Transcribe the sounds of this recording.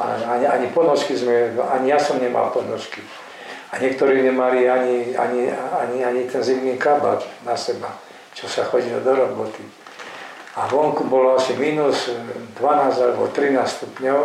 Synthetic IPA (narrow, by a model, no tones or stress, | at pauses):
a̰aɲiaɲipɔnɔʃkizmɛa̰ɲijasɔmɲɛma̰lpɔnɔʃki | aɲɪɛk̚t̪ɔɾiːɲɛmaliaɲia̰ɲiaɲiaɲit̪ɛnziʊniːkaba̰t͡ʃnasɛba | t͡ʃɔsaxɔɟilɔ̰d̪ɔɾɔbɔt̪i | aʋɔŋkubɔlɔasimiːnusd̪ʋanaːzalɛbɔ̰t̪ɾinaːsst̪upɲɔʊ